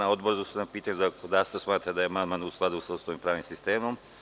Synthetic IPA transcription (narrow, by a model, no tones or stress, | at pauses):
naod̪boɾzust̪anapiːt̪aɲuzakd̪ast̪osmaːt̪ɾad̪ajemanmanusklˠad̪usausoimpɾaːʋnimsist̪eːmom